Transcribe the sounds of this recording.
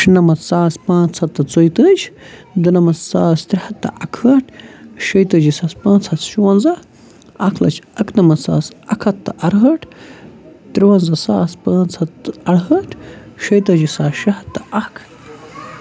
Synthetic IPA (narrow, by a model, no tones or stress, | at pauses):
ʃinɐmɐt͡ssaːspãːnt͡sʰɐt̪ːɐt͡sojt̪əːd͡ʒd̪ɨnɐmɐt͡ssaːst̪ɾʲihɐt̪ːɐ̰ʔɐkʰɐʈʃɐjt̪ɐd͡ʒisaspãːnt͡sʰɐt̪ʃuwɐnzɐ | ɐkʰlɐ̰t͡ʃʰɐknɐmɐsa̰ːsɐkʰɐt̪ːaʔɐɾɦɐʈ | t̪ɾiwɐnzɐsaːspaːnt͡sʰɐt̪ɐɽɦɐʈʰʃɐjt̪ɐd͡ʒisaːsʃɐɦɐt̪ːɐʔɐkʰ